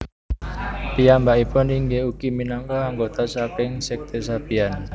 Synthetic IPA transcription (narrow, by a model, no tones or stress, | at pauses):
pijambaʔipʊniŋɡeukiminɔŋkɔaŋɡot̪asapɪŋsɛk̚t̪esapian